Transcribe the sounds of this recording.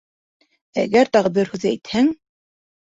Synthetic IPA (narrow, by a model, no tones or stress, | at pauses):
æɡæɾt̪ɑʁɤbɘɾhʉðææjt̪hæŋ